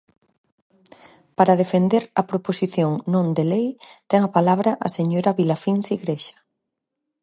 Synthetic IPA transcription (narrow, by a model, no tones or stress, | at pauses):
paɾað̞efend̪eɾɐpɾoposiθjoŋnõnd̪elejt̪ɛŋɐpalaβɾɐʔa̰seɲoɾɐβilafinsiɣɾeʃɐ̥